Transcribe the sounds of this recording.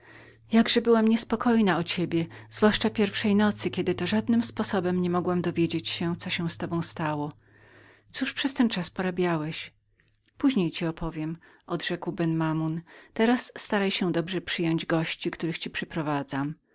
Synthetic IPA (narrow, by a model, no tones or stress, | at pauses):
jaɡʐɛbɘwamɲɛspɔkɔjnaɔt͡ɕebʲjɛzvwaʂt͡ʂapʲjɛɾfʂɛjnɔt̪sɘkʲɛd̪ɘt̪ɔʐad̪nɘmspɔsɔbɛmɲɛmɔɡwamd̪ɔvʲjed͡ʑet͡ɕɕɛt̪sɔɕɛ̃st̪ɔbɔ̃w̃st̪awɔ | t̪suʂpʂɛst̪ɛnt͡ʂaspɔɾabʲjawɛɕ | puʑɲejt͡ɕiɔpʰɔvʲjɛm | ʔɔd̪ʐɛkwbɛnmamunt̪ɛɾasːt̪aɾajɕɛ̃d̪ɔbʐɛpʂɘjɔɲd͡ʑɡɔɕt͡ɕikt̪uɾɘxt͡ɕipʂɛpɾɔvad̪zam